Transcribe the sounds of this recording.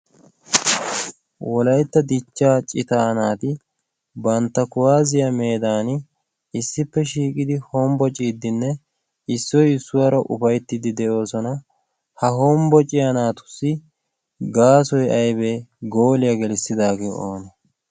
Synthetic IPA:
wʔɔlɐjt̪ːɐd̪ɪt͡ʃːaːt͡ʃʼɪt̪aːnaːt̪ɪ | bɐnt̪ːɐkʊwaːzɪjɐme̞ːd̪aːnɪ | ɪsːɪpːɛʃiːkʼɪd̪ɪhɔmbɔt͡ʃʼiːd̪ːɪnːɛ | ɪsːɔjɪsːʊwɐɾɐʔʊ̰fɐjt̪ːɪd̪ɪd̪ɛʔo̞ːsɔnɐ | hɐɦɔmbɔt͡ʃʼɪjanaːt̪ʊ̥sːɪ | ɡaːsɔjɐjbeɡoːlɪjɐɡɛlɪsːɪd̪aːɡeːʔo̰ːnɐ

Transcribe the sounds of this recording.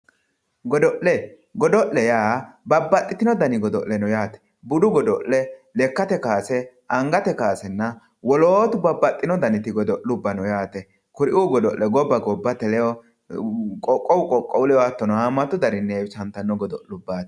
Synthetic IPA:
ɡɔd̪ɔʔlɛ | ɡɔd̪ɔʔɛjaːbɐbːɐt̪ʼːɪt̪ɪnɔd̪ɐnɪɡɔd̪ɔʔlɛnɔjaːt̪ɛ̥ | bʊd̪ʊɡɔd̪ɔʔːɛlɛkːɐt̪ɛkaːsɛ | ɐŋɡɐt̪ɛkaːsɛnːɐ | wɔloːt̪ʊbɐbːɐt̪ʼːɪnɔd̪ɐnɪt̪ɪɡɔd̪ɔʔlʊbːɐnɔjaːt̪ɛ | kʊɾɪʔuɡɔd̪ɔʔlɛɡɔbːɐɡɔbːɐt̪ɛlɛjɔ | kʼɔkʼːɔwʊkʼɔkʼːɔwʊlɛwat̪ːɔnɔamɐt̪ːʊd̪ɐɾɪnːɛːt͡ʃɐnt̪ːɐnːɔɡɔd̪ɔʔlʊbːaːt̪ɛ̥

